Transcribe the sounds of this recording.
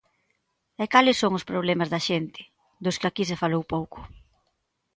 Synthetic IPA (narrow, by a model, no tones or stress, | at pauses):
ɛkalɪsːoŋʊspɾoβ̞lɛmɐzðɐʃent̪ɪ̥ | d̪ʊskɪakisefalowpowkʊ̥